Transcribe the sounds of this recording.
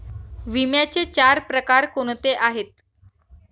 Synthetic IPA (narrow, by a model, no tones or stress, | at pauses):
ʋimjat͡set͡ɕaɾpɾəkaɾkoɽ̃t̪eʔaɦet̪